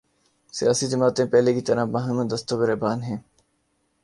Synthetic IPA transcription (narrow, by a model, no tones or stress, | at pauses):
sɪjaːsiːd̪ɪmaːt̪ẽːpɛːleːkit̪əɾãːbɐɦəmə̃d̪əst̪oːbɪɾeːbaːnɦẽː